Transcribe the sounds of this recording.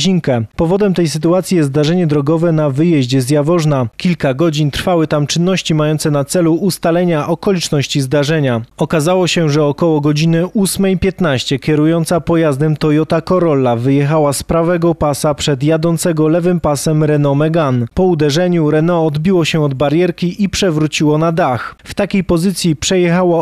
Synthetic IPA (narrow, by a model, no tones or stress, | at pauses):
ʑiŋkɛpɔvɔd̪ɛmt̪ɛjs̬ɘt̪uat̪sʲjijɛzzd̪aʐɛɲɛd̪ɾɔɡɔvɛnavɘjɛʑd͡ʑɛzʲjavɔʐnakʲilkaɡɔd͡ʑint̪ɾfawɘt̪amt͡ʂɘnːɔɕt͡ɕimajɔnt̪sɛnat̪sɛluʔːst̪alɛɲaʔɔkɔlʲit͡ʂnɔɕt͡ɕizd̪aʐɛɲaɔkazawɔɕɛʐɛɔkɔwɔɡɔd͡ʑinɘʔusmɛjpʲjɛt̪naɕt͡ɕɛkʲɛɾujɔnt̪sapɔjazd̪ɛmt̪ɔjɔt̪akɔɾɔlːavɘjɛxawaspɾavɛɡɔpasapʂɛd̪jad̪ɔnt̪sɛɡɔlɛvɘmpasɛmɾɛnɔmɛɡanpɔud̪ɛʐɛɲuɾɛnɔːd̪bʲiwɔɕɛɔd̪baɾʲjɛɾkʲiipʂɛvɾut͡ɕiwɔnad̪axft̪akʲejpɔzɘt̪sʲjipʂɛjɛxawa